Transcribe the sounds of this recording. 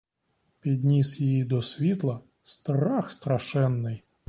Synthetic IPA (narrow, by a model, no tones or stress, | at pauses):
pʲid̪ʲnʲisjijid̪ɔsʲʋʲit̪lˠɐ | st̪ɾaxst̪ɾaʂɛnːɨj